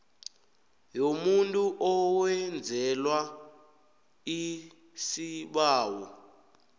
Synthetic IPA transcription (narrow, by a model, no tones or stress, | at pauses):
jomuntʼuʔɔwɛnd͡zʱɛlwa | i | siɓaːwɔ